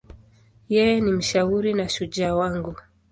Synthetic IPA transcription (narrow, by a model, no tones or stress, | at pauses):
jɛnim̩ʃauɾinaʃud͡ʒawaŋɡu